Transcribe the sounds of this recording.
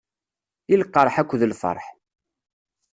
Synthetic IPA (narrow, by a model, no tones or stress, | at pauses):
ilqːəɾˤħækʷːðəlfə̰ɾˤħ